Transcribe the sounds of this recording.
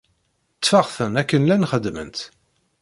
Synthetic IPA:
t͡sːfaʁθənækːənlænχəd̪ːmə̰nt̪

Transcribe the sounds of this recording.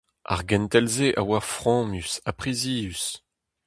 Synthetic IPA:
a̰ʁɡɛ̃nt̪ɛlzeʔawaʁfʁɑ̃ːmysapχiziːys

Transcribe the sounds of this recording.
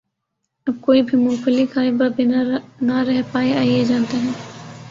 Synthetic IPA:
ɐb̚koːibʱimʊ̃ːfəlikaːebɐbɪnanɐɾɛɦpaːeaːied͡ʒãːnt̪eɦɛ̃ː

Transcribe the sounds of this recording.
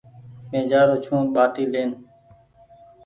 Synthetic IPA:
mẽːd͡ʒaːɾoːt͡ʃʰũːɓaːʈiːleːn

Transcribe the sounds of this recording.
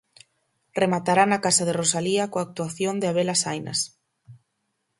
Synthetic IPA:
remat̪aɾanakasaðerosaliakoak̚t̪uaθjond̪eaβelasajnɐ̰s

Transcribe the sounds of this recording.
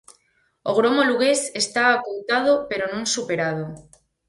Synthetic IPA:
o̰ɣ̞ɾomoluɣ̞esest̪aakowt̪að̞opeɾonõnsupeɾað̞o

